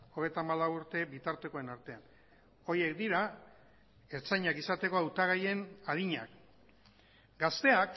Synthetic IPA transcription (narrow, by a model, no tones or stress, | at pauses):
o̞ɣ̞e̞jt̪aːmalawuɾt̪e̞bit̪aɾt̪e̞ko̞enaɾt̪e̞an | o̞ɾje̞kd̪iɾa | e̞ɾt͡sajɲakisat̪e̞ko̞awt̪aɣ̞aje̞nað̞iɲa̰k | ɡast̪e̞ak